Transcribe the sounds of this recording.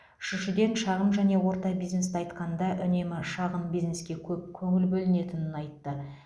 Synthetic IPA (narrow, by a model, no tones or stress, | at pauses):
ʏʃʏʃɪd̪e̞nʃɑʁəmʒæne̞wo̞ɾt̪ɑbizne̞st̪ɑjt̪qɑnd̪ɑʔʏne̞mɪʃɑʁəmbijzne̞skʲe̞kʲʰɵp̚kʲʰɵŋɪlbɵlɪne̞t̪ɪnɪnɑjt̪ːə